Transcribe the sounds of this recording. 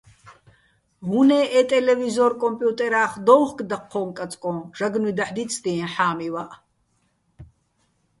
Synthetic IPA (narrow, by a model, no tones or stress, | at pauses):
ɦunɛːʔɛːt̪ʼɛlɛvizɔɾkʼɔmpʼjut̪ʼɛɾaːχd̪ɔwχkʼd̪aqʰːɔːŋkʼat͡sʼkʼɔ̃ːʒ̥aɡnwid̪aħd̪it͡sʰʼd̪iɛ̃ħaːmivaʔ